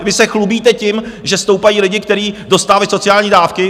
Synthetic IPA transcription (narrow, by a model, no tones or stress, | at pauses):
vɪsɛxlubiːt̪ɛcɪmʒɛst̪o̞wpajiːlɪɟɪkt̪ɛɾiːdo̞st̪aːvalɪso̞t͡sɪaːlɲiːdaːfkɪ